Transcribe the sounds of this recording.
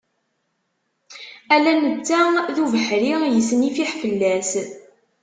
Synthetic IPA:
ælænət͡sːæðuvəħɾijəsnifiħfəlːæs

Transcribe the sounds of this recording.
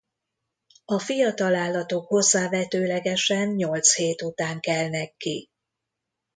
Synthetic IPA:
ɒfijɒt̪ɒlaːlːɒt̪o̞kho̞zːaːvɛt̪øːlɛɡɛʃɛnɲo̞lt̪sheːt̪ut̪aːŋkɛlnɛkːi

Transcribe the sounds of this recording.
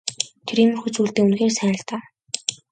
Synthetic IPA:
t̪ʰɾimɵ̆rxut͡suːɮt̪eːunxeːrsæːə̆ɬt̪aː

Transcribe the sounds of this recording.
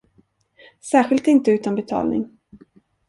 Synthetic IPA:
sæːɧɪlt̪ɪnt̪əʉt̪anbɛt̪ʰɑ̰ːlnɪ̰ŋ

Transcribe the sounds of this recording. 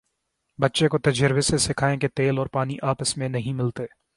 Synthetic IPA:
bɐtːʃekot̪ɐd͡ʒəɾbesesɪkʰaːẽket̪eːlɔːɾpaːniʔaːpəsmẽnɐɦĩmɪlt̪eː

